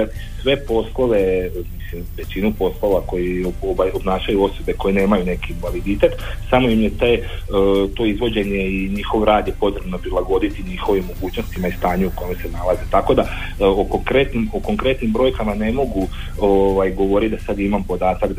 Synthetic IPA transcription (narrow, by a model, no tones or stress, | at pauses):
at̪i | sʋe̞po̞slˠo̞ʋe̞mislimʋe̞t͡ɕinupo̞slˠoʋako̞jioʋajo̞bnaːʃajuo̞so̞be̞ko̞jene̞ːmajune̞kiːnʋaʋid̪it̪e̞t̪ | samo̞imjet̪aj | t̪o̞ːizʋo̞d͡ʑe̞ɲe̞iɲixo̞ʋoɾaːd̪jepo̞zɾebno̞pɾilˠaɡo̞d̪it̪iɲixo̞ʋimːo̞ɡuːt͡ɕno̞st̪imaist̪aːɲuuko̞jmese̞nalazet̪ako̞d̪a | oko̞ŋkɾe̞t̪nimoko̞ŋkɾe̞t̪nimbɾo̞jkamane̞mo̞ɡu | oʋajɡo̞ʋo̞ɾit̪̚d̪asad̪imampo̞d̪aːt̪ak̪